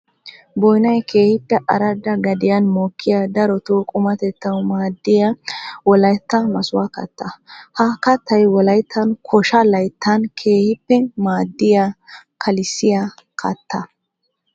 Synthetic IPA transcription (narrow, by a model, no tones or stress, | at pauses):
bɔjnɐjkʰe̞ːhɪpːɛʔɐɾɐd̪ːɐɡɐd̪ɪjɐnmoːkʰːɪjad̪ɐɾɔt̪okʼʊmɐt̪ɛt̪ːɐwmaːd̪ːɪjɐwɔlɐjt̪ːɐmɐsʊwakɐ̰t̪ːɐhɐkɐt̪ːɐjwɔlɐjt̪ʰːɐnkʰɔʃɐlɐjt̪ːɐnkʰe̞ːhɪpːɛmaːd̪ːɪjakʰɐlɪsːɪjakʰɐ̰t̪ʰːɐ